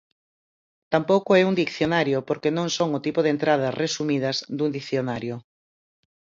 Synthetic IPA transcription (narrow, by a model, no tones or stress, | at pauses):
t̪ampowkʊɛuŋd̪ikθjonaɾjopoɾkenõŋsoŋʊt̪ipʊðent̪ɾað̞ɐsresumið̞ɐzd̪und̪ikθjonaɾjʊ